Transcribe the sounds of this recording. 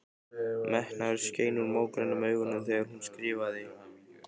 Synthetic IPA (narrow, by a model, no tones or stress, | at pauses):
mɛhnaɾsceːjnʏɾmoːwkɾɛnʏmœːɥɣʏnʏθɛːɣaɾ̥hunːskɾɪːvaðɪ